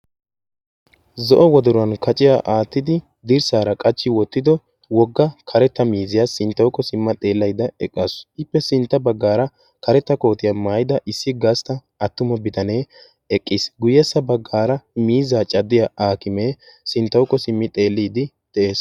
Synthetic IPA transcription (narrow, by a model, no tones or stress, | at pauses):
zɔʔɔwɔd̪ɔɾʊɐnkɐt͡ʃʼɪjaʔaːt̪ːɪd̪ɪ | d̪ɪɾsaːɾɐkʼɐt͡ʃːɪwɔt̪ːɪd̪ɔ | wɔɡːɐkʰɐɾɛt̪ːɐmiːzɪjasɪnt̪ːɐwkːɔsɪmːɐt̪ʼe̞ːlːɐjd̪ɐɛkʼːɐsɪpːɛsɪnt̪ːɐbɐɡːaːɾɐ | kɐɾɛt̪ːɐko̞ːt̪ɪjɐmaːjɪd̪ɐʔɪsːɪɡast̪ɐ | ɐt̪ːʊmɔbɪt̪ɐne̞ː | ɛkʼːɪsɡʊjɛsːɐbɐɡːaːɾɐmiːzaːt͡ʃʼɐd̪ːɪjɐʔaːkɪmeː | sɪnt̪ːɐwʊkːɔsɪmːɪt̪ʼe̞ːlːiːd̪ɪ | d̪̥ɛʔeːs